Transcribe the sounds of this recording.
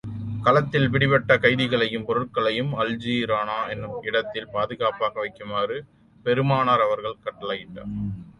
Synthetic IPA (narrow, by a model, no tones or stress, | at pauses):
kɐlɐt̪ːɪlʋɪɽɪʋɛʈːɐkɐɪðɪɣɐɭɐjɯmpɔɾɯʈkɐɭɐjɯmɐld͡ʒiɾaːnaːɛnːɯmɪɽɐt̪ːɪlpaːðɯɣaːpaːɣɐʋɐɪkːɯmaːrɯ | pɛɾɯmaːnaːɾɐʋɐɾɣɐɭkɐʈːɐlaːjɪʈːa̰ːɾ